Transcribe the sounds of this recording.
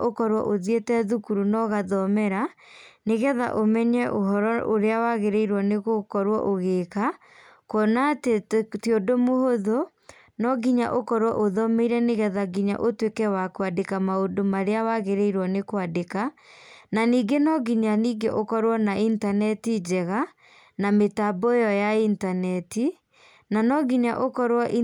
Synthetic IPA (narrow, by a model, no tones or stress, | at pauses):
ʔokɔɾwɔ̰ʔoðietɛðukuɾunɔɣaðɔmɛɾa | neɣɛða̰ʔomɛɲɛʔoɦɔɾɔʔoɾeawaɣeɾeiɾwɔneɣokɔɾwɔ̰ʔoɣeka | kɔnatetjodomohoðo | nɔɡiɲa̰ʔokɔɾwɔʔoðɔmeiɾɛneɣɛðaɡiɲa̰ʔotwekɛwakwadekamaodomaɾeawaɣeɾeiɾwɔnekwadekananiːɡenɔɡiɲaniːɡeʔokɔɾwɔnaintanɛtid͡ʒɛɣa | nametabojɔjaintanɛti | nanɔɡiɲaʔokɔɾwɔʔi